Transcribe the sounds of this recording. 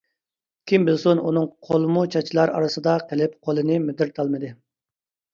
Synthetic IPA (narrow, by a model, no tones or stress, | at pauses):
kʲʰimbɪlsonunɨŋqʰolˠɨmut͡ʃʰɑt͡ʃʰilˠɑɾɑ̰ɾɨsɨd̪ɑqʰəlɪpqʰolˠɨnɨmɪd̪ɪɾt̪ʰɑlˠmɨd̪ɨ